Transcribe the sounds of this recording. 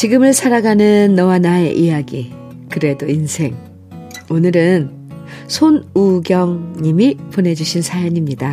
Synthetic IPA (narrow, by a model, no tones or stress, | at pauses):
t͡ɕiɡɯmɯɭsʰaɾaɡanɯnːʌwanae̞̰ʔijaɡi | kɯɾe̞doinsʰe̞ŋ | onɯɾɯn | sʰonuɡjʌŋɲimipone̞d͡ʑuɕʰinsʰajʌɲimɲida